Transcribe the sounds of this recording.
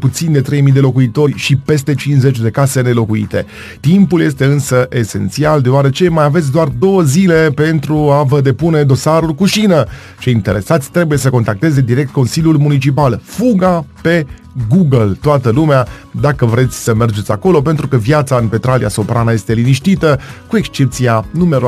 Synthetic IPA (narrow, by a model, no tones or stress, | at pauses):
put̪sind̪e̞t̪ɾe̞jmijd̪elo̞kuit̪o̞rʲʃipe̞st̪e̞t͡ʃinze̞t͡ʃʲd̪e̞kase̞ne̞lo̞kuḭt̪e̞̰ | t̪impulje̞st̪e̞ɨnsəʔe̞se̞̰nt̪siald̪eoaɾe̞t͡ʃe̞majave̞t̪sʲd̪oard̪o̞wəzile̞pe̞nt̪ɾuavəd̪e̞pune̞d̪o̞saɾulkuʃinə | t͡ʃe̞jint̪e̞ɾe̞sat̪sʲt̪ɾe̞buje̞səko̞nt̪ak̚t̪e̞ze̞d̪iɾe̞k̚t̪̚ko̞nsilʲjulmunit͡ʃipalfuɡape̞ | ɡuɡəlt̪oat̪əlumead̪akəvɾe̞t̪sʲsəme̞rd͡ʒet̪ʲako̞lo̞pe̞nt̪ɾukəvjat̪saɨnpe̞t̪ɾalḭa̰so̞pɾanəje̞st̪e̞liniʃt̪it̪əkue̞kst͡ʃe̞p̚t̪sianumeɾo